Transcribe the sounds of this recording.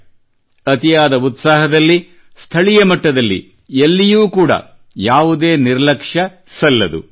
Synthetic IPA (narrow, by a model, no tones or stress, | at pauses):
ɐt̪ijaːd̪ɐut̪saːɦɐd̪ɐlːi | st̪ʰɐɭijɐmɐʈːɐd̪ɐlːḭ | elːijuːkuːɽɐ̰ | jaːʋud̪eːniɾlɐkʂɐsɐlːɐd̪ṵ